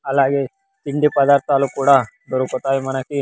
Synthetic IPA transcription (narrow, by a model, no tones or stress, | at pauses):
ɐlːaːɡe | t̪iɳɖipɐd̪aːɾt̪aːlukuːɽa | d̪ɔɾukot̪aːjimɐnɐki